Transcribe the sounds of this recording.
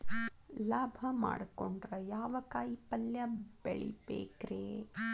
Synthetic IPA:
laːbʱɐma̰ːɽkoɳɖɾɐjaːʋɐkaːjipɐljɐbeɭḭpḛːkɾeː

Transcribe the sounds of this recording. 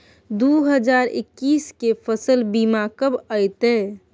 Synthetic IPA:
d̪uɦəd͡ʒaːɾɪ̰kːiːskefʰəsəlbimaːkəbəɪt̪eː

